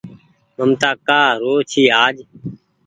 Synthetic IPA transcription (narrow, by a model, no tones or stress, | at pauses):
məmt̪aːkaːɾoːt͡ʃʰiːaːd͡ʒ